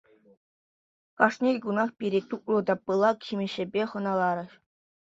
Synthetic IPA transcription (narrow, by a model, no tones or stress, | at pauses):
kɑʂnʲejʲɡunɑxpʲiɾʲet̪uk̚lɤ̆d̪ɑpːɯlˠɑkximʲɘ̆ɕɘ̆bʲeχɤ̆nɑlˠɑɾɤ̆ɕ